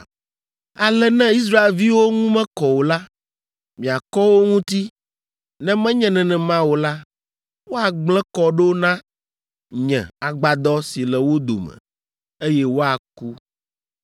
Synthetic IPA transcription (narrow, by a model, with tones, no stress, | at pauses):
a˨lɛ˦nɛ̃˦i˦s̬ɾa˦e˨lvi˦wo˦ŋũ˦mɛ̃˦kɔ˨wo˨la˦ | mĩ˨a˨kɔ˦wo˦ŋũ˦t̪i˦ | nɛ̃˦mɛ̃˦ɲɛ̃˦nɛ̃˨nɛ̃˨mã˦wo˨la˦ | wo˦a˨ɡ͡blɛ̃˦kɔ˦ɖo˦o˦nã˦ | ɲɛ̰̃˨a˨ɡ͡ba˨d̪ɔ˦si˨lɛ˨wo˦d̪o̰˨mɛ̰̃˨ | e˦jɛ˦wo˦a˨ku˦